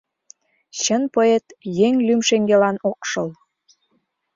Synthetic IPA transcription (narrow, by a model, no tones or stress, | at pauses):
ɕənpəet̪jeŋlymʃeŋɡelɑnokʃəl